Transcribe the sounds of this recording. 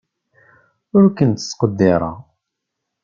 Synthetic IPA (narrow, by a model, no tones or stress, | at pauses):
ʊɾkənt̪ə̥sqəd̪ːɪɾˤɑ̰